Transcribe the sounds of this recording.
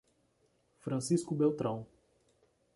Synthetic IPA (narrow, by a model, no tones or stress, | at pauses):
fɾɐ̃siskʊbewt̪ɾɐ̃w̃